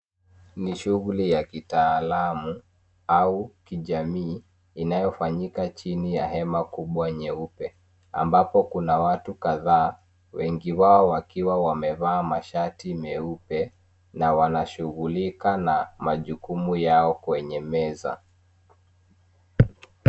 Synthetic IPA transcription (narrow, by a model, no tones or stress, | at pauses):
niʃuɣulijakitaːlamu | aukiʄamiː | najɔfaɲikat͡ʃinijahɛmakuɓwaɲɛupɛ | a̰mbapɔkunawatukaðaː | wɛŋɡiwaɔwakiwawamɛvaːmaʃatimɛupɛ | nawanaʃuɣulikanamaʄukumujaɔkwɛɲɛmɛza̰